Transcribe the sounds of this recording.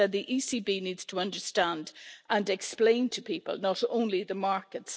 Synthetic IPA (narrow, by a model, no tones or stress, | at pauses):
ət̪̚ðiʔisibiniːdz̥tʰəʌ̃ndə˞stãndʔə̃nɛksplẽɪ̃ntʰəpʰipə̰lˠnəɾõ̰ʊ̃nliðəmaɹkəts